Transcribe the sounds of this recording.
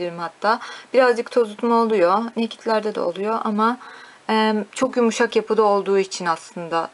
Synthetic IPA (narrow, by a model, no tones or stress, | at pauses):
iɾimhat̪ʰːaːb̥iɾazd͡ʒɯk̚t̪ʰo̞zut̪maolˠujonecʰi̥t̪ʰlʲæɾd̪ɛd̪ɛ̰o̰lˠujo̞ʔama | ɛt͡ʃʰo̞kjumuʃakjapɯd̪ao̞lˠd̪uːit͡ʃʰinaslˠɯnd̪a